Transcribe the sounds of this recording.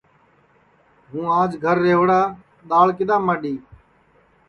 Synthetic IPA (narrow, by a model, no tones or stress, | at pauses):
ɦũːaːd͡ʒɡʱəɾːeːʋɽaː | ɗ̪aːɭkɪd̪aːmːaːɗiː